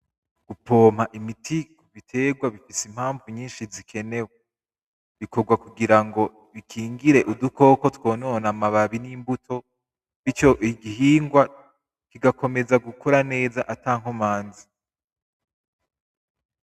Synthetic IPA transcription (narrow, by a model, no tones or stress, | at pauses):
ɡ̥upʰo̞ːm̥haʔimitʰi | βitʰe̞ːɡwaβifisim̥haːɱvuɲiːnʃizikʰe̞ne̞we | βikoɾɡwakuɡiɾaŋɡo̞ | βikʰiːŋɡiɾe̞ʔuduko̞ːko̞two̞ːno̞ːnamaβaβinimbutʰo̞ | βit͡ʃo̞ʔiɡiɦiːŋɡwa | kiɡako̞me̞zaɡukʰoɾane̞ːzaʔataːŋ̥homaːnzi